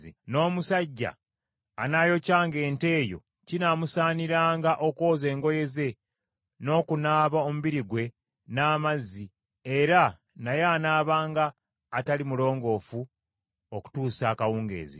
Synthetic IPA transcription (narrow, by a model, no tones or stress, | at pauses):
ino̞ːmusaɟːa̰ː | naːjo̞caːŋɡe̞ːnte̞ːjo̞̰ | cinaːmusaːniɾaːŋɡaʔo̞ko̞ːze̞ːŋɡo̞je̞ze̞ | no̞ːkunaːβaomuβiɾiɡwe̞ | naːmazːi | eɾa | najeanaːβaːŋɡaː | talimulo̞ːŋɡo̞ːfu | oku̥tuːsaːkawuːŋɡe̞̰ːzḭ